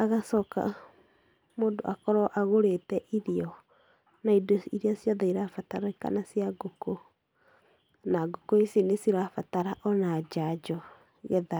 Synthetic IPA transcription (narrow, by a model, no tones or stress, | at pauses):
aɣasɔka̰ | moːndo̰ʔakɔɾɔʔaɣoɾetɛʔiɾiɔ | naidoiɾiasjɔðaiɾafataɾaika̰nasjaɡoko | naɡokoesinesiɾafataɾaʔɔnad͡ʒad͡ʒɔ | ɣɛða